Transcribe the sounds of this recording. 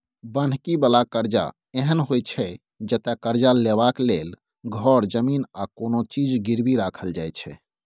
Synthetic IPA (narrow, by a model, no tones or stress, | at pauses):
bən̤kibəlakəɾd͡ʒa̰ | eɦənɦojt͡ʃʰɛ | d͡ʒət̪akəɾd͡ʒalebaklel | ɡʱɔɾd͡ʒəmiːnakonot͡ʃid͡ʒɡiɾbiɾakʰəld͡ʒajt͡ʃʰɛ̰